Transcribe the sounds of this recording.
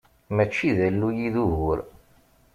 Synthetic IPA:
mæt͡ʃːiðælːujiðuɦʊɾ

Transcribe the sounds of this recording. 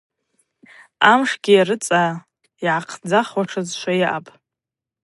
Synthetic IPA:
amʂɡʲijaɾɨt͡sʼa | iʕaqʰd͡zaχwaʈ͡ʂʰazʃʷajaʔapʼ

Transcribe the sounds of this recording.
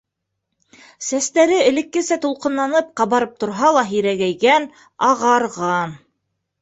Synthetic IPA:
sæst̪æɾɘɘ̆lɘ̆kːɘ̆sæt̪ulˠqɤ̆nlˠɑnɤp̚qɑβɑɾɤp̚t̪ŏɾɦɑlˠɑɦiɾæɣæjɡæn | ɑʁɑɾʁɑn

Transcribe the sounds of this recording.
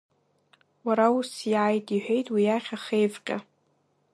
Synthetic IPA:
waɾausjaːjtʼiħʷᶣe̞jtʼwijaχʲaχejvqʲʼa̰

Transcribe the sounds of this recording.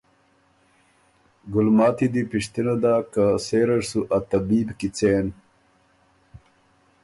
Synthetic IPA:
ɡulmaːt̪id̪ipiʂt̪inɐd̪aːkaseːɾɐɾsuʔɐt̪ɐbiːbkit͡seːn

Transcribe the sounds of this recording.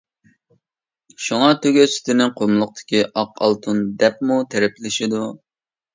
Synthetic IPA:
ʃuŋɑt̪ʰøɡʲøsɪ̥t̪ɪnɪŋqʰomlˠʊq̚t̪ʰɪ̥kʲiʔɑqʰɑ̰lˠt̪ʰund̪ɛp̚mut̪ʰɛɾɛplɪʃɪd̪u

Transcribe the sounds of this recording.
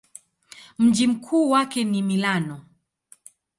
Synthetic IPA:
m̩d͡ʒim̩kʰuːwakɛnimilanɔ

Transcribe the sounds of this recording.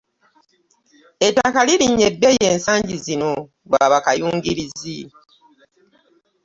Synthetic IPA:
e̞takaliliɲːe̞bːeje̞ːnsaːɲɟizino̞ | βwaβakajuːŋɡiɾizi

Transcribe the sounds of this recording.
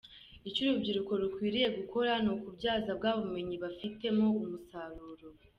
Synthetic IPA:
it͡ʃcuɾubɟiɾuko̞ɾukwiːɾije̞ɡuko̞ɾanokubɟaːzabɡaβume̞ɲiβafite̞mo̞umusaɾuːɾo̞

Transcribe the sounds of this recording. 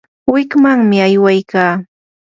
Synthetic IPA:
wɪkmaŋmɪajwajkaː

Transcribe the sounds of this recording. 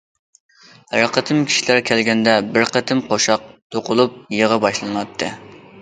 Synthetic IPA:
ɾəqət̪ʰɨmkʲʰi̥ʃilæɾkʲʰælɡʲɛnd̪ɛbɪɾqət̪ʰɪmqʰoʃɑq̚t̪ʰoqʊlˠup̚jeʁɑbɑʃlˠɨnɑt̪ʰːɨ

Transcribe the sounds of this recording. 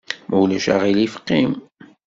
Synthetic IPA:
mʔæwlæʃa̰ʁilifqːim

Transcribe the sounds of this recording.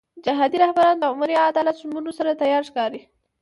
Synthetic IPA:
d͡ʒaɦɑd̪iɾahbaɾɑnd̪əʊmuɾiad̪ɑlat̪ʊmunosaɾat̪ajɑɾʃkɑɾi

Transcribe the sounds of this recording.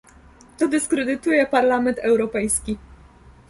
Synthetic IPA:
t̪ɔd̪ɘskɾɛd̪ɘt̪ujɛpaɾlamɛnt̪ɛwɾɔpɛjskʲi

